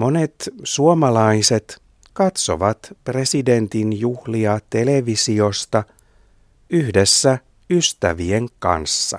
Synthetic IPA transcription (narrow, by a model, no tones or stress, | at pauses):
mo̞ne̞t̪suomɑlɑise̞t̪ | kɑt̪so̞̰ʋɑt̪pre̞side̞nt̪injuhliɑt̪e̞le̞ʋisio̞st̪ɑ | yhde̞sːæ | yst̪æʋie̞ŋkɑ̰nsːɑ̰